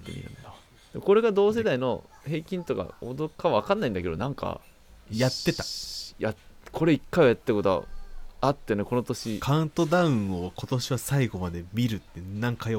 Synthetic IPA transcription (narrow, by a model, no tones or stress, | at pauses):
kɯ̰ɲʲḭɯ̟̰̃nd̪a | d̪̥emko̞ɾe̞ɡad̪o̞ːs̬e̞d̪aino̞ | he̞ːkʲĩnt̪o̞ka̰o̰d̪o̞kːaβaβakãnːaĩnd̪ake̞d̪o̞nãŋka̰ | jat̪ːe̞t̪ḁjakʰo̞ɾe̞ikːaiojat̪ːet̪ːako̞t̪oa̰at̪ːe̞neko̞no̞t̪o̞ɕikaɯ̟̃nt̪od̪aɯ̟̃ɰo̞ko̞t̪o̞ɕiβasaiɡo̞mad̪e̞mʲiɾɯ̟t̪ːe̞nãŋkajo